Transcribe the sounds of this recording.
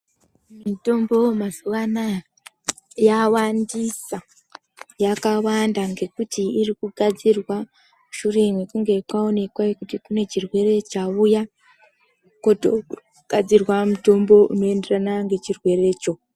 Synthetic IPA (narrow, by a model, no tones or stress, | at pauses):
mito̞mbo̞mazuʋana | jawandisa | jakawandaŋɡe̞kutiːɾikuɡʱad͡zirwa | muʃure̞mwekuŋɡe̞kwao̞ne̞kwaekutikune̞t͡ʃirwe̞ɾe̞t͡ʃawuja | koto | ɡ̥ad͡zirwamuto̞mbo̞uno̞enderanaŋɡe̞t͡ʃirwe̞ɾe̞t͡ʃo̞